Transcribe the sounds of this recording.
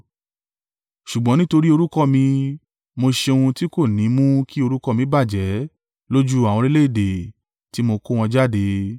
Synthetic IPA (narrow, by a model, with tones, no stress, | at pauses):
ʃu˨ɡ͡bɔ̃˨˦nĩ˦to˧ɾi˦o˧ɾu˦kɔ˦mĩ˧ | mo˧ʃe˧o˧ũ˧ti˦ko˦˨nĩ˨˦mũ˦ki˦o˧ɾu˦kɔ˦mĩ˨˦ba˦˨d͡ʒɛ˨˦ | lo˦d͡ʒu˦a˨w̃ɔ̃˧ɾi˦le˦i˦˨de˨ | ti˦mo˧ko˦w̃ɔ̃˧d͡ʒa˦˨de˧